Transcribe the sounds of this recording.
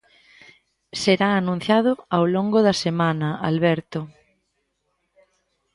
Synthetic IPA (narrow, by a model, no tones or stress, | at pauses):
seɾaːnũn̟θjað̞ʊawloŋɡʊðɐsemanɐa̰lβɛɾt̪ʊ